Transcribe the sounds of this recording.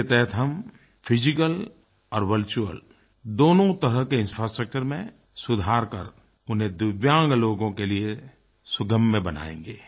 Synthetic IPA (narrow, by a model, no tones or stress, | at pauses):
et̪ɛɦət̪ɦɐm | pʰɪd͡ʒɪkəl | ɔːɾʋəɾt͡ʃuə̰l | d̪oːnõt̪əɾəɦkeɪ̃nfɾasʈɾək̚t͡ʃəɾmẽ | sʊd̪ʱaːɾkə̰ɾ | ʊnɦẽd̪ʊʋjãːŋɡloːɡõkelie | sʊɡəmːebɐna̰ːḛ̃ːŋɡeː